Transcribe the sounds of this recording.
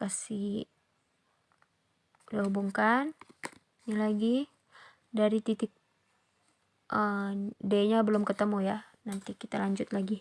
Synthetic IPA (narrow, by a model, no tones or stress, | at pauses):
kasi | laɦubuŋkan | nalaɡi | daɾit̪it̪ɪk̚ | ʔədaɲabəlʊmkət̪əmujanant̪ikit̪alaɲd͡ʒʊt̪laɡi